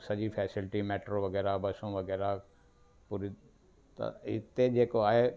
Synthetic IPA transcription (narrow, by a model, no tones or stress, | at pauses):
sɐʄipʰɛːsɪlʈimɛːʈɾoʋɐɡɛːɾabɐsõʋɐɡɛːɾa | puːɾi | t̪ɐ̰ɪ̰t̪ed͡ʒeːkoaːɦe